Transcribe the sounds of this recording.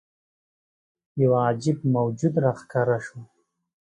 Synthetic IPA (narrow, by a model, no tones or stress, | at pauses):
jawɑd͡ʒɪbmawd͡ʒud̪ɾaxkaɾaʃo